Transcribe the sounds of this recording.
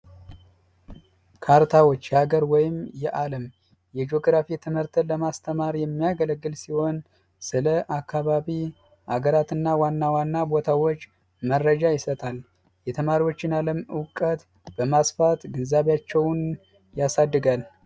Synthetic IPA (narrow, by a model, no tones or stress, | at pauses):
kʰaɾt̪ʰawo̞t͡ʃːjɛhaɡəɾwɔjɪmjɛʔaləm | jɛd͡ʒo̞ɡɾafit̪ʰɨmhɨɾt̪ʰɨləmast̪ʰəmaɾjɛmːijaɡələɡːɨlsiho̞n | sɨləʔakːaβaβi | ʔaɡəɾat̪ɨnːawanːawanːabo̞t̪ʰawo̞t͡ʃː | mərːəd͡ʒajɪsət̪ʰal | jɛt̪ʰəmaɾiwo̞t͡ʃːɪnaləmɨwkʼət̪ | b̥əmasfat̪ɡɨnzaβjat͡ʃːɛwn | jasad̪ːɨɡal